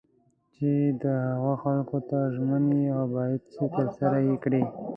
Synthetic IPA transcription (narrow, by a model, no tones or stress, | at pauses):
t͡ʃed̪əhaɣaxalkot̪aʒməniawbɑjad̪set̪əɾsaɾajekɽi